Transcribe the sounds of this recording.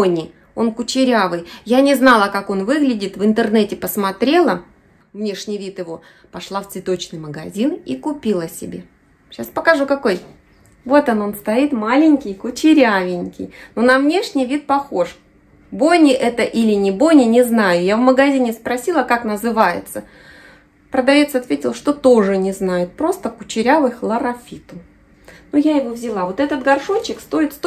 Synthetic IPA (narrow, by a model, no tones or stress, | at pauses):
onʲɪ | onkʊt͡ɕɪɾʲavɨjjanʲɪznɑlˠəkako̞nvɨɡlʲɪdʲɪt̪vɨnt̪ɨrnɛtʲɪpəsmɐt̪ɾʲe̞lˠə | vnʲe̞ʂnʲɪjvʲit̪jɪvo̞ | pɐʂlˠaft̪svʲɪt̪o̞t͡ɕnɨjməɡɐzʲinikʊpʲilˠəsʲɪbʲe | ɕaspəkɐʐukɐkoj | vo̞t̪ono̞nst̪ɐit̪malʲɪnʲkʲɪjkʊt͡ɕɪɾʲavʲɪnʲkʲɪ̰jnonɐvnʲe̞ʂnʲɪjvʲit̪̚pɐxo̞ʂ | bojnʲɪʔɛt̪əʔilʲɪnʲɪbo̞jnʲɪnʲɪznajʊjavməɡɐzʲinʲɪspɾɐsʲilˠəkaknəzɨvajɪ̰t̪sə | pɾəd̪ɐvʲe̞t̪sɐt̪vʲetʲɪlˠʂt̪o̞t̪o̞ʐɨnʲɪznajʊt̪̚pɾo̞st̪əkʊt͡ɕɪɾʲavɨxlˠəɾɐfʲit̪ʊ | nujajɪvovzʲɪlˠavo̞t̪ɛt̪ət̪ɡɐrʂonʲt͡ɕːɪkst̪o̞ɪt̪st̪